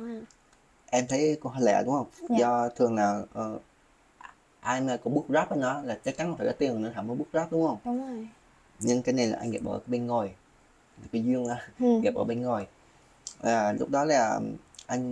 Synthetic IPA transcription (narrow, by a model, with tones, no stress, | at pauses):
ʔɛ˧mt̪ʰə˨˦jkʊ˧˦ɦɔ˧lɛ̰˧˩˨ɗʊ˨˦ŋ͡mhə˧wŋ͡mzɔ˧t̪ʰɨ˨˩əŋlaː˨˩ʔəː˨˩ | ʔaː˧jmaː˧kɔ˧˥˦ɓɨ˦˥ət̚zɔː˦˥p̚aː˨˦nɔ˧˨˦laː˨˩t͡ɕə˦˥t͡ɕa˨˦nhfaː˧˩ɔa˧˦t̪i˧əŋː˨˩nɔ˨˦t̪ʰaː˧˩məː˨˦ɓət̚zɔː˦˥p̚ɗʊ˨˦ŋ͡mhə˧wŋ͡m | ɲɨ˧ŋkaː˨˦jna˨˩jlaː˨ʔa˧ŋ̟ɣɛː˨˩p̚ʔəː˧˩kɓe˧nŋo˨˩j | laː˨˩ki˨˧˦zwi˧əŋaː˧˦ɣɛː˨˩p̚ʔəː˧˩ɓe˧nŋo˨˩j | vaː˨˩lʊ˦˥k͡p̚ɗɔ˨˦laː˨˩ʔa˧jŋ̟